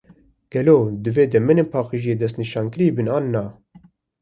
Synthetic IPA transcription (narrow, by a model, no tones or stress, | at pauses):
ɡ̥ɛloːd̪ɨveːd̪ɛmɨneːnpʰɑːqiʒijeːd̪ɛs̬t̪niʃɑːnkɨɾiːbɨnɑːnːɑː